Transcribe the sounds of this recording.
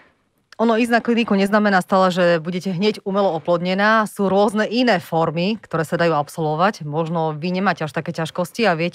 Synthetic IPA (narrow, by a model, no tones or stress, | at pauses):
ɔnɔiznaklinikuɲɛznamɛnaːst̪aːlɛʒɛbuɟɛcɛɦɲɛɟumɛlɔɔplɔd̪ɲɛnaːsuːɾʊɔznɛʔinɛːfɔɾmikt̪ɔɾɛːsad̪ajuːapsɔlʋɔʋacmɔʒnɔʋiɲɛmaːcɛaʃt̪akɛːcaʃkɔsciaʋɪɛcɛ